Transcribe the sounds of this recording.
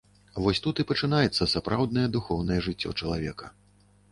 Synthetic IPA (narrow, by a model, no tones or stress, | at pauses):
vɔsʲt̪ut̪ipɐt͡ʂɨnajɛt̪sːɐsapɾʔawd̪̚nɐjɛd̪uxɔwnɐjɛʐɨt͡sʲːɔ̰t͡ʂɐlˠavʲɛ̰kɐ̥